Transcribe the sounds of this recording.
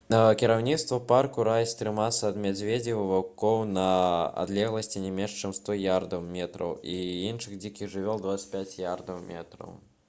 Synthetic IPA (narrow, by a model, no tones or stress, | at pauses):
kʲiɾawnʲit̪st̪vɐparkuɾajst̪ɾɨmasɐɐd̪mʲad͡zʲvʲed͡zʲiwvakɔwnɐa̰d̪lʲɛɣlˠɐsʲt͡sʲinʲɛmʲɛnʂt͡ʃɛmst̪ɔjard̪ɐwmʲɛt̪ɾɐ̰wiinʂɨɣd͡zʲikʲiʐɨvʲɔlˠd̪vat̪sə̥tʲpʲat͡sʲjard̪ɐwmʲɛ̰t̪ɾɐ̰w